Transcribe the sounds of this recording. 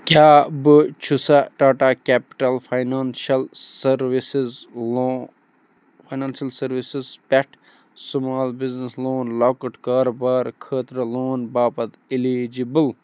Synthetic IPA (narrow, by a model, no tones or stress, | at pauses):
kʲaːbɨt͡ʃʰusaʈaːʈakɛːpi̥ʈɐlpʰajnaːnʃɐlsɐɾʋisizlo | pʰajnaːnsjɐlsɐɾʋisizpɛʈʰ | sumaːlbiznisloːnlaːkəʈkaːɾobaːɾkʰəːt̪ɾɐloːnbaːpɐt̪ilid͡ʒibɨl